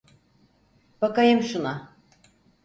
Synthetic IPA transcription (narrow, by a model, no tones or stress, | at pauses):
b̥akajɯmʃuna